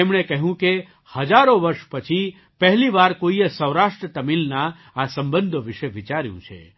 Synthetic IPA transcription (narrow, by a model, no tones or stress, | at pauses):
emɳ̃ekəɦjũke | həd͡ʒaɾoʋəɾʃpət͡ʃʰi | pəɦliʋaɾkoiəsəwɾaʃʈɾət̪əmilna | asəmbənd̪ʱoʋɪʃeʋit͡ʃaɾjṵ̃t͡ʃʰḛ